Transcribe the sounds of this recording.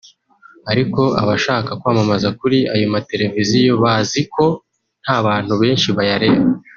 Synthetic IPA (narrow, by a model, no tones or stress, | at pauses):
aɾiko̞ʔa̰βaʃaːkakwamamazakuɾiajomate̞ɾe̞vizijo̞βaːziko̞ | n̥haβaːn̥huβe̞ːnʃiβajaɾe̞βa